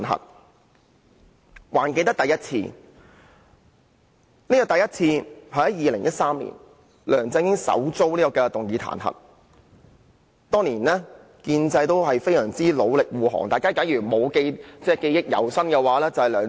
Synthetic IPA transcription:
nɦɐ̰˨t̚ | waː˨˩nke˧jt̪ɐ˥t̪ɐ˨jɐ˥t̚t͡sʰḭː˧ | niː˥kɔː˧˩t̪ɐ˨jɐ˥t̚t͡sʰiː˧hɐː˨˥jiː˨lɪ˨˩ŋjɐ˥t̚saː˥mlḭː˨˩n | lœː˨˩ŋt͡sɪ˧ŋjɪ˥ŋsɐ̰˨˥wt͡so˥wliː˥kɔ˧kɛː˧t̪ʊ˨ŋjiː˨˧t̪ʰa̰ː˨˩nɦɐ̰˨˩t̚ | t̪ɔː˥ŋliː˨˩nlɛː˥ | kiː˧nt͡sɐ˧jt̪o˥whɐ˨jfe˥jsœː˨˩ŋt͡siː˥lo˨˧wlɪ˨k̚wuː˨ɦɔ̰ː˨˩ŋt̪aː˨jkaː˥kɐ˨˥njyː˨˩mo˨˧wke˧jt͡sɛː˥˩ke˧jɪ˥k̚jɐ̰˨˩wsɐ˥nkɛ˧waː˨˥lɛː˥t͡sɐ˨whɐ˨jlœː˨ŋ

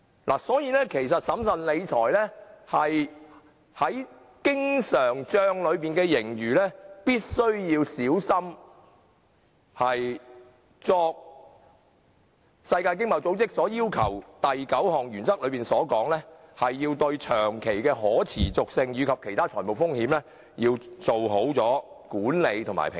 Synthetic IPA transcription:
lʔa̰ː˨˩sɔː˨˥jiː˨˧˥lɛː˥kʰe˨˩jsɐ˨t̚sɐ˨˥msɐ˨nle˨˧jt͡ʃʰɔː˨˩jlɛ˥hɐ˨j | hɐ˨˥j | kɪ˥ŋsœː˨˩ŋt͡ʃœː˧ŋlɵ˨˧ɥpiː˨nkɛː˧jɪ˨˩ŋjyː˨˩lɛː˥piː˥t̚sɵ˥ɥjiː˧wsiː˨˥wsɐ˥m | hɐ˨j | t͡sɔː˧k̚ | sɐ˧jkaː˧jk̬ɪ˥ŋmɐ˨˧˩wt͡so˨˥wt͡sɪ˥k̚sɔː˨˥jiː˥wkʰɐ˨˩wt̪ɐ˨jkɐ˨˥whɔː˨˩ŋjyː˨˩nt͡sɐ˥k̚lɵ˨˧ɥpiː˨nsɔː˨˥kɔː˨˥ŋlɛː˥hɐ˨jːiː˧wt̪ɵ˧ɥt͡ʃʰœː˨˩ŋkʰe˨˩jkɛː˧ɦɔː˨˥t͡sʰiː˨˩t͡sʊ˨k̚sɪ˧ŋɥyː˨˧kʰɐ˨p̚kʰe˨˩jt̪ʰaː˥t͡ʃʰɔː˨˩po˨wfʊ˥ŋhiː˨˥mlɛː˥ | jiː˧wt͡so˨wɦo˨˥wt͡sɔː˨˥ | kuː˨˥nle˨˧jt̪ʰʊ˨˩ma̰˨jpʰɪ̰˨ŋ

